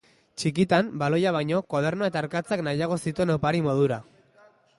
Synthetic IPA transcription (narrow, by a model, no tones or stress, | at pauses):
t͡ʃikit̪ambalo̞jaβ̞ajɲo̞kwað̞e̞rnoae̞t̪aːɾkat͡saknajaɣ̞o̞sit̪ue̞nawpaɾimo̞ðuɾa